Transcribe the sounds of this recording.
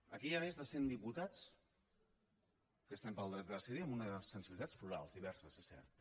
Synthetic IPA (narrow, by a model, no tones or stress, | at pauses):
əkiaβezðəsend̪iput̪at͡s | kəst̪ampəlˠd̪ɾɛt̪̚dəsɛðiəmunəsːənsiβilit̪at͡spluɾa̰lˠzðiβɛɾsəsesɛ̰ɾt̪